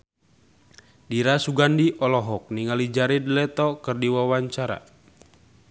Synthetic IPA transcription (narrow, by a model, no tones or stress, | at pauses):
diɾasuɡandiʔɔlɔɦɔk̚niŋalid͡ʒaɾidlɛt̪ɔkɨrdiwawaɲt͡ʃaɾa̰